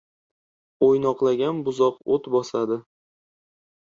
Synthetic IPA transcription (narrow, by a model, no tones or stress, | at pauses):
ojnɒqlˠaɡʲanbʊzɒqot̪bɒsad̪ɪ